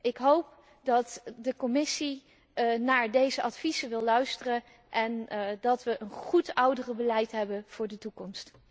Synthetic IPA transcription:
ɪkɦowp̚ | dɑtdəkɔmɪsi | naːɹdejzəʔɑtfizəʋɪlˠlœɥstərə | ʔɛndɑtʋəʔənχutʌwdərəbəlɛjtɦɛbəv̥ʊːɹdətukɔmst

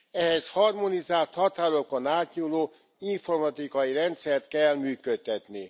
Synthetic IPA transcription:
ɛɦɛshɒrmo̞nizaːlt̪hɒt̪aːɾokonaːt̪ɲuloː | iɱfo̞rmɒt̪ikɒjiɾɛnt̪sɛrt̪kɛlmyːkøt̪ːɛt̪ni

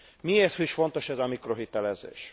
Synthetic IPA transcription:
mieːrt̪hoiʃfo̞nt̪o̞ʃɛzɒmikro̞ɦit̪ɛlɛzḛːʃ

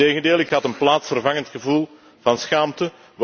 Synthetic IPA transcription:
eːɣəndeːlˠɪkɦɑtənplaːtsfərvɑŋəntxəvulˠ | vɑnsxaːmtə

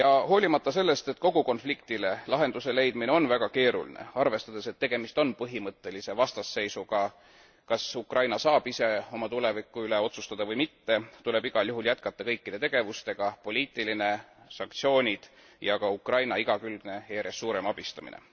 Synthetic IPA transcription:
jɑho̞ːlʲimɑt̪ːɑse̞lːe̞st̪e̞t̪ko̞ɡ̥uko̞nflik̚t̪ile̞lɑɦe̞nd̪use̞le̞jd̪mineo̞nvæɡ̥ɑke̞ːɾṵlḭnḛɑrve̞st̪ɑd̪̥e̞se̞t̪ːe̞ɡ̥e̞mist̪o̞npɤɦimɤt̪ːˑe̞lise̞vɑst̪ɑsːe̞jsuɡɑ | kɑsukrɑjnɑsɑːb̥ise̞o̞mɑt̪ule̞vikːˑuyleo̞t̪sust̪ɑd̪̥ɑvɤjmit̪ːe̞t̪ule̞biɡ̥ɑljuɦuljæt̪kɑt̪ːɑkɤjkːid̪e̞t̪e̞ɡ̥e̞vust̪e̞ɡ̥ɑpo̞lʲiːt̪ˑiline̞sɑŋk̚t̪sio̞ːnʲid̪̥ | jɑkɑukrɑjnɑiɡ̥ɑkylɡ̥ne̞ejæɾesːuːɾe̞mɑb̥ist̪ɑmḭnḛ

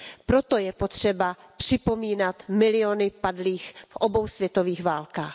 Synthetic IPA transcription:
pɾo̞t̪o̞jɛpo̞t̪r̥ɛba | pr̝̥ɪpo̞miːnat̪mɪlɪonɪpadliːxfʔobo̞wsvjɛt̪o̞viːxvaːlkaːx

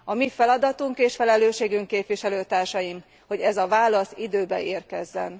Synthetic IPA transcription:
ɒmifɛlɒd̪ɒt̪uŋkeːʃfɛlɛløːʃeːɡyŋkːeːpʋiʃɛløːt̪aːrʃɒjim | ho̞ɟɛzɒvaːlɒsid̪øːbɛ̰ʔeːrkɛzːɛ̰n

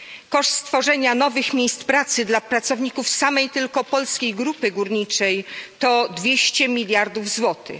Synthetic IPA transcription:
kɔʂt̪st̪fɔʐɛɲanɔvɘxmʲjejst̪pɾat̪sɘd̪lapɾat̪sɔvɲikufsamɛjt̪ɘlkɔpɔlskʲejɡɾupɘɡuɾɲit͡ʂɛjt̪ɔd̪vʲjeɕt͡ɕɛmʲilʲjaɾd̪uvzwɔt̪ɘ̰

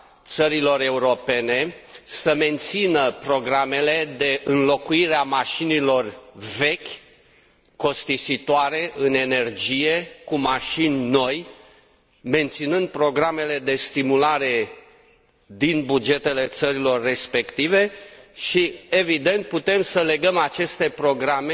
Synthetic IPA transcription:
t̪səɾilo̞ɾe̞uɾo̞pe̞ne̞səme̞nt̪sinəpɾo̞ɡɾame̞le̞d̪e̞ʔɨnlo̞kuiɾeamaʃinilo̞rve̞kʲ | ko̞st̪isit̪oaɾe̞ʔɨne̞ne̞rd͡ʒije̞kumaʃinʲno̞j | me̞nt̪sinɨnd̪̚pɾo̞ɡɾame̞le̞d̪e̞st̪imulaɾe̞ | d̪inbud͡ʒe̞t̪e̞le̞t̪səɾilo̞rːe̞spe̞kt̪ive̞ʃie̞vid̪e̞nt̪̚put̪e̞msəle̞ɡəmat͡ʃe̞st̪e̞pɾo̞ɡɾame

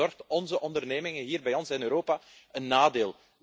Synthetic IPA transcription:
ɔrxtɔnzəʔɔndərneːmɪŋəɦiːrbɛjɔnsɪnøːɾoːpaənːaːdeːlˠ

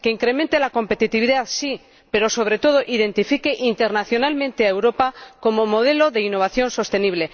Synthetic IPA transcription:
keiŋkɾe̞mẽnt̪e̞lako̞mpe̞t̪it̪iβiðaθsi | pe̞ɾo̞so̞β̞ɾe̞t̪oð̞o̞ʔiðe̞nt̪ifike̞ʔint̪eɾnaθjo̞nalmẽ̞nt̪e̞aewɾo̞pako̞mo̞mo̞ð̞e̞loðe̞inːo̞β̞aθjo̞nso̞st̪e̞niβle̞

